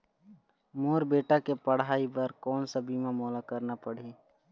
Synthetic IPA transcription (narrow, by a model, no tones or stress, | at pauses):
moːɾbeːʈakepəɽ̤ɦaːibəɾkɔːnsabiːmãmɔːlakəɾnapɐɽ̤iː